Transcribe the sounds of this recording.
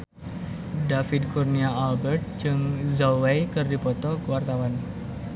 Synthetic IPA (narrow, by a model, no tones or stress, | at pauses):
dafid̪̚kurniaalbɛrt̪̚d͡ʒɨŋzawejkɨrdipɔt̪ɔkəwart̪awan